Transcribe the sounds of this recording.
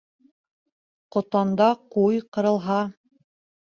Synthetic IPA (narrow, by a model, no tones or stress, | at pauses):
qŏt̪ɑnd̪ɑqujqɤ̆ɾɤ̆lˠɦɑ